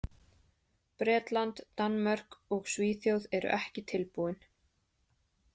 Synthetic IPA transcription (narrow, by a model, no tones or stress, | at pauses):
pɾɛːt̪lant̪ːanmœr̥kɔɣsviːθjowðɛɾʏ̰ʔɛhcɪt̪ʰɪlpuɪn